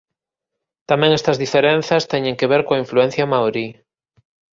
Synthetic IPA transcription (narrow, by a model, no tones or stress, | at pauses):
t̪amẽŋest̪ɐzðifeɾenθɐst̪ɛɲẽŋkeβeɾkoaiɱfluen̟θjɐmaoɾi